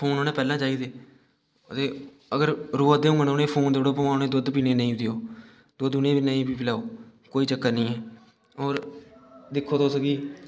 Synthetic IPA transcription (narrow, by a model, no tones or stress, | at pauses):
pʰoːnoːnẽːpɛːlãːt͡ʃaːiːd̪eː | ət̪eː | əɡəɾɾuːəd̪eːʊ̃ŋɡənoːnẽːpʰoːnd̪oɽoːpəmaːoneːd̪ʊd̪piːnẽːnə̃ĩːd̪ɪjoː | d̪oːd̪ʊnẽːbiːnəĩːbiːpɪlaːoːkoːiːt͡ʃəkːənəĩːɛː | oːɾ | d̪ɪkʰːoːt̪oːsəɡiː